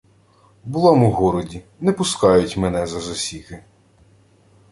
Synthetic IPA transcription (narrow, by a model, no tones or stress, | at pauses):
bʊlˠɑmuɦɔɾɔdʲi | nɛpʊskɑjʊtʲmɛnɛzɐzɔsʲikɪ